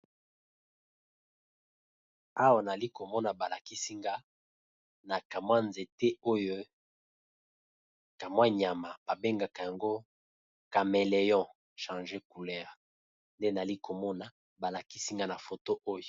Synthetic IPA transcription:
a˦wa˨na˨li˦ko˨mɔ˦na˨ba˨la˨ki˦si˦ŋɡa˦ | na˨ka˨mwa˦nze˨te˦o˦jo˦ | ka˨mwa˦ɲ˨a˨ma˨b̥a˨be˦ŋɡa˨ka˨ja˨ŋɡo˦ | ka˨me˨le˨jɔ̃˦ | ʃã˨ʒe˦ku˨lɛ˦˨ʁ | nde˦na˨li˦ko˨mɔ˦na˨ | ba˨la˨ki˦si˦ŋɡa˦na˨fo˨to˦ʔo˦jo˨

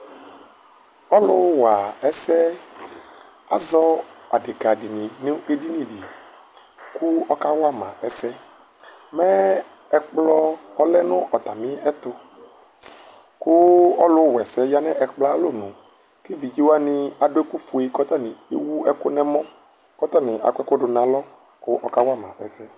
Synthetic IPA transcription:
ɔ˦lʊ˦wa˨ɛ˦sɛ˦ | a̰˨zɔ˦a̰˨de˨ka˨di˨nĩ˨nĩ˦e˦di˦nĩ˨ɖi˨ | kʊ˦ɔ˦ka˦wa˦mã̰˨ʔɛ˦sɛ˦ | mɛ̃˦ | ɛ˦k͡plɔ˦ɔ˦lɛ˦nʊ̃˦ʔɔ˨t̪a˨mĩ˦ɛ˦t̪ʊ˦ | kʊ˦ɔ˦lʊ˦˨wɛ˨sɛ˦ja˦nɛ̃˦ʔɛ˨k͡pla˦lo˦nʊ̃˨ | ke˦vi˨d͡ʒi˦wa˦nɪ̃˦a˨ɖo˦e˦ku˦fu˨e˦kɔ˦t̪a˦nɪ̃˨e˦wu˦ɛ˦kʊ˦nɛ̃˦mɔ̃˦ | kɔ˦t̪a˦˨nɪ̃˨ʔa̰˨kɛ˦kʊ˦ɖʊ˨nã˨lɔ˦ | kʊ˦ʔɔ˦ka˦wa˦mã˨ɛ˨sɛ˦

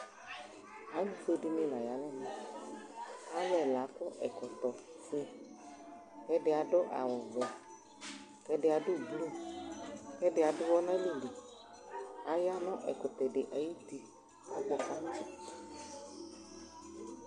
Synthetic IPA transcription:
a˨˦lu˨fe˦dɪ˦mɪ̃˦lã˨ja˨˦lɛ˦nɪ̃˨ | a˦lɛ˨la˨˦kʊ˦ʔɛ˨kɔ˨t̪ɔ˨fɪ˦ | kɛ˦dɪ˨˦a˨dʊ˦ʔa̰˨wɔ˨vɛ˨ | kɛ˦dɪ˨a˨dʊ˦˨ɡ͡blu˦˨ | kɛ˦dɪ˨a˨dʊ˦wɔ˦nã˦li˦li˨ | a˨ja˦nɔ̃˦ʔɛ˨kʊ˨t̪ɛ˨dɪ˨ʔa˨ji˦t̪i˨ | a˦ɡ͡bɔ˨ka˦nã˦˨

